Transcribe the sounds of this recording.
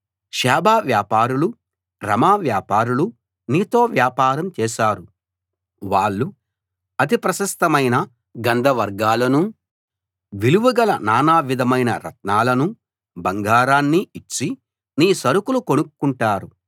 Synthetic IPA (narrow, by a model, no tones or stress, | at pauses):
ʃɛːbaːʋjaːpaːɾulu | ɾɐ̰maːʋjaːpaːɾulu | niːt̪o̞ːʋjaːpaːɾɐmt͡ʃɛːʃaːɾu | ʋaːɭːu | ɐt̪ipɾɐʃɐst̪ɐmɐjnɐ | ɡɐnd̪ʱɐʋɐɾɡaːlɐnu | ʋiluʋuɡɐlɐnaːnaːʋid̪ʱɐmɐjnɐ̰ɾɐ̰t̪̚naːlɐnu | bɐŋɡaːɾaːnːiit͡ʃːi | niːsɐɾukulukonukkːuɳʈaːɾu